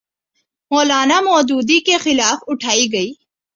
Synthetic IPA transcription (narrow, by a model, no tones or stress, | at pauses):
mɔːlaːnamɔːd͡ʒ̪uːd̪ikexɪlaːfʊʈʰaːiɡɐiː